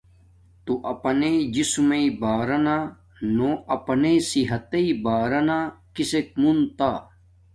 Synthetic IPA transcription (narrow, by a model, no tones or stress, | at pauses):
t̪uʔɐpɐned͡ʑismeibaːɾɐna | noːɐpɐnesiɦɐt̪eibaːɾɐnakisek̚munt̪aː